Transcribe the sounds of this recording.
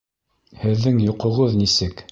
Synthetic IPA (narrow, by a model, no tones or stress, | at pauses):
hɘ̆ðːɘŋjŏqŏʁɤðnisɘk